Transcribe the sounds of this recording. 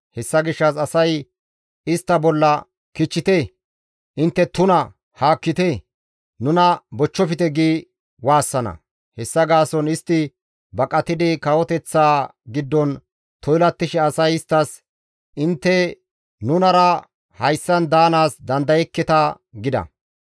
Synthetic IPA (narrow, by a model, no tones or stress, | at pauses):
hɛsːɐɡɪʃːɐsɐsɐj | ɪst̪ːɐbɔlːɐ | kɪt͡ʃːɪt̪ɛ | ʔɪnt̪ːɛt̪ʊnɐ | haːkːɪt̪ɛ | nʊnɐbɔt͡ʃːɔfɪt̪ɛɡiː | waːsːɐnɐ̰ | hɛsːɐɡaːsɔnɪst̪ːɪ | bɐkʼɐt̪ɪd̪ɪkɐwɔt̪ɛt͡sːaːɡɪd̪ːɔn | t̪ʰɔjlɐt̪ːɪʃɛɐsɐjɪst̪ːɐs | ʔɪnt̪ːɛ | nʊnɐɾɐ | hɐjsːɐnd̪aːnaːsd̪ɐnd̪ɐjɛkːɛt̪ɐ | ɡɪd̪ɐ̰